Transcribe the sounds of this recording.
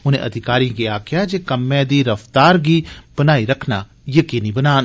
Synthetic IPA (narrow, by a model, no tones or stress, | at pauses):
ʊnḛ̃ʔɐd̪ʱɪkaːɾĩɡiaːkʰjad͡ʒekəmːẽd̪iɾəft̪aːɾɡib̥ənaːiɾɐkʰna | jəkiːnibənaːn